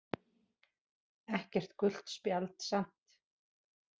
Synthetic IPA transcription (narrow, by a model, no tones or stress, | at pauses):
ɛhcɛr̥t̪kʏl̥t̪spjalt̪san̥t̪